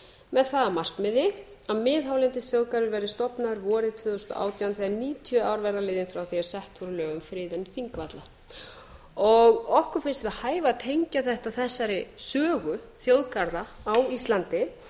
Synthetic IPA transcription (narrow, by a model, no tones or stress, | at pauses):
mɛðθaðamar̥kmɪðɪaðmɪːðɦawlɛnt̪ʏθjowðkaɾðvɪlvɛːɾɪst̪ɔpnaðʏɾvɔːɾɪðt̪ʰvʏːθɔst̪ɔ̰ʔa̰ːwt̪ʰjawnθiɣaɾniːt̪ʰjœaːwɾvɛɾðalɪːðɪnfɾawθiaɾsɛht̪vɔɾʏlœːɣʏmfɾɪːðɛnθiŋkvat̪la | ɔɣɔhkʏɾ̥fɪnst̪vɪðhaːjvaðt̪ʰejɲcaθɛht̪aθɛsːaɾɪsœːɣʏθjowðkaɾðaawist̪lant̪ɪ